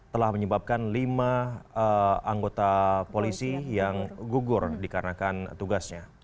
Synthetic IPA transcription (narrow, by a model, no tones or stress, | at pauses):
t̪əlahməɲəbap̚kanlimaəaŋɡot̪apolisijaŋɡuɡʊrdikaɾənakant̪uɡasɲa